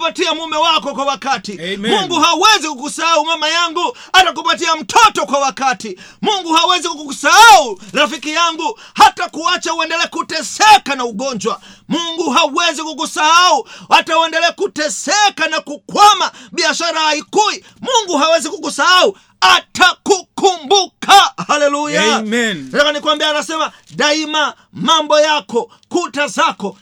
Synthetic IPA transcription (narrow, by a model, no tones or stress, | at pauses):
atiamumɛwakɔkwawakatimuŋɡuɦawɛzikukusahaumamajaŋɡu | atak̬upatiam̩tʰɔtɔkwawakatimuŋɡuhawɛzikukukusahauɾafikijaŋɡuhatakuat͡ʃauɛndɛlɛkutɛsɛkanauɡɔɲd͡ʒwa | muŋɡuɦawɛzikuk̬usahauwatawɛndɛlɛkutɛsɛkanakukwamaɓiaʃaɾaaikui | muŋɡuɦawɛzikukusahau | aktakukumbukahalɛlujantakanikuwambiaːnasɛma | daima | mambɔjakɔ | kutazakɔ